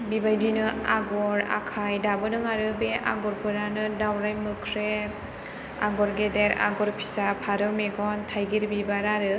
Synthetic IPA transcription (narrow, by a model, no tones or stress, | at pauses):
bibajdinɯaɡɔɾa̰kʰajdabɯnɯŋaɾɯbea̰ɡɔɾpʰɯɾanɯdawɾajmɯkʰɾe | a̰ɡɔɾɡedeɾa̰ɡɔɾpʰi̥sapʰaɾɯmeɡɔntʰajɡiɾbibaɾaɾɯ